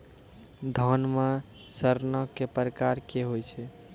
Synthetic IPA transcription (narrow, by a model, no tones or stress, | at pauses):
d̪ʱɔnma | səɾnəkepɾəkaɾkeɦojt͡ʃʰɛ